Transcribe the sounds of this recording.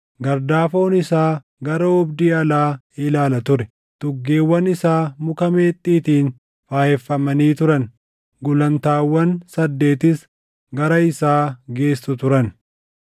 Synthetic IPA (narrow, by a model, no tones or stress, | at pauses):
ɡɐɾd̪aːfo̞ːnɪsaː | ɡɐɾɐɔbd̪iːɐlaː | ɪlaːlɐt̪ʊɾɛ | t̪ʊɡːeːwːɐnɪsaːmʊkɐme̞ːt̪ʼːiːt̪iːn | faːhɛfːɐmɐniːt̪ʊɾɐn | ɡʊlɐnt̪aːwːɐnsɐd̪ːe̞ːt̪ɪs | ɡɐɾɐɪsaːɡe̞ːsːʊt̪ʊɾɐn